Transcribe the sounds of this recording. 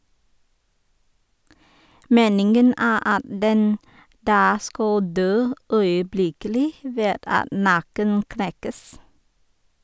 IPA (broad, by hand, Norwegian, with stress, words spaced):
ˈmeːnɪŋɡən ˈæː ˈɑt ˈdɛn ˈdɑː ˈskɑl ˈdøː œʏəˈblɪkəlɪ ˈʋeːd ˈɑt ˈnɑkən ˈknɛkəs